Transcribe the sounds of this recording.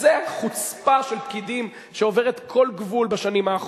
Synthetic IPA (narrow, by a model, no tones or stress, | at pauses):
zeχut͡spaʃelp̚kidim | ʃeo̞veʁet̪kʰo̞lɡvulbaʃanimaːχ